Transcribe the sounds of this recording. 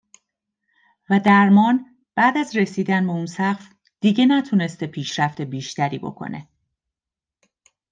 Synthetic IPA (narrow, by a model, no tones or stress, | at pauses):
væd̪æɾmɒːn | b̥æːd̪æzre̞siːd̪ænbe̞unsæqf | d̪̥iɟenæt̪ʰune̞st̪epʰiːʃɾæft̪e̞biːʃt̪æɾḭːbo̞̰kʰo̰nʔe̞̰